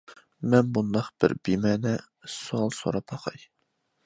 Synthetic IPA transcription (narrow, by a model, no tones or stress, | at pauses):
mɛnbund̪ɑqb̥ɪ̰ɾbimɛːnɛ | suɑlˠso̰ɾɑpʰɑqʰɑj